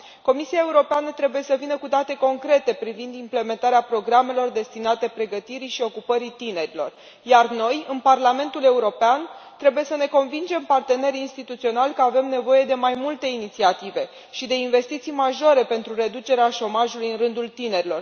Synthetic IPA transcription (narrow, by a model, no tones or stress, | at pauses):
ko̞misiae̞uɾo̞peanət̪ɾe̞buje̞səvinəkud̪at̪e̞ko̞ŋkɾe̞t̪e̞pɾivind̪imple̞me̞nt̪aɾeapɾo̞ɡɾame̞lo̞rd̪e̞st̪inat̪e̞pɾe̞ɡət̪iɾiʃio̞kupəɾit̪ine̞ɾilo̞̰r | jarno̞jɨnparlame̞nt̪ule̞uɾo̞peant̪ɾe̞buje̞səne̞ko̞nvind͡ʒe̞mpart̪e̞ne̞ɾinst̪it̪ut̪sio̞nalkəave̞mne̞vo̞je̞d̪e̞majmult̪e̞init̪siat̪ive̞ | ʃid̪e̞inve̞st̪it̪sijmaʒo̞ɾe̞pe̞nt̪ɾure̞d̪ut͡ʃe̞ɾeaʃo̞maʒulujɨnrɨnd̪ult̪ine̞ɾilo̞r